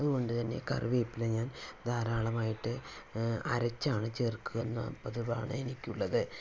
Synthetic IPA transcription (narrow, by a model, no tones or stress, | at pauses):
ɐðuɣko̞ɳɖɨt̪ɐnːe̞̰kɐ̰rʋeːpːileɲaːnd̪ʱaːɾaːɭɐmaːjiʈːɨ | ɐ̰ɾɐt͡ɕːaːɳɨt͡ɕe̞ːrkːuɣɐnːɐ̰pːɐðuʋa̰ːɳɨe̞nikʲːuɭːɐðɨ